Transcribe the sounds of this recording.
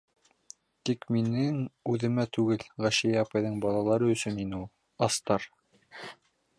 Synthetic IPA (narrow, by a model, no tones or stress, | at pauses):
t̪ikminɘŋʉðɘ̆mæt̪ʉɡɘlʁæʃæjæɑpɑjðɤɴbɑlˠɑlˠɑɾɤɵ̆sɵninɘulˠ | ɑst̪ɑɾ